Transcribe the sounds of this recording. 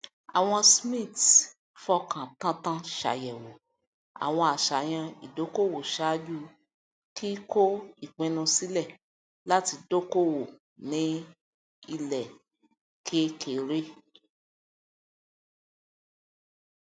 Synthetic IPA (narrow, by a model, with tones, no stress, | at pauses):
a̰˨w̃ɔ̃˧smĩ˦˨t | fɔ˧˦kʰã˨tã˦tã˦ʃa̰˨jɛ˨wo˨ | a̰˨w̃ɔ̃˧a˨ʃa˨j̃ã˧i˨do˨˦ko˦˨wo˨ʃa˦d͡ʒu˦ | kʰi˦ko˦i˦˨k͡pɛ̃˨˧nũ˧si˨˦lɛ˦˨ | la˦ti˧do˦ko˦wo˨ | nĩ˨˦ | i˧lɛ˨ | kʰe˦kʰe˨ɾe˦